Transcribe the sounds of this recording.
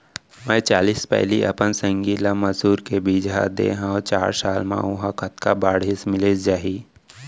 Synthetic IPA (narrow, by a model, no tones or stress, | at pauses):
mɛ̃ːt͡ʃaːliːspɛ̰ɦliʔɐ̰pənsə̃ŋɡiːlamɐzuːɾkebiːd͡ʒɦa̰d̪ḛːɦãot͡ʃaːɾsaːlmã̰ʊɦãkɐt̪kabaːɽɪsmɪled͡ʒaːɦiː